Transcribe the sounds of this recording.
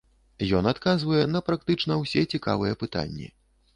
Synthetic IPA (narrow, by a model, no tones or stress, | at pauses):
jɔnat̪kazvɐjɛnɐpɾak̚t̪ɨt͡ʂnɐwsʲɛt͡sʲika̰vɨjɛpɨt̪a̰nʲːḭ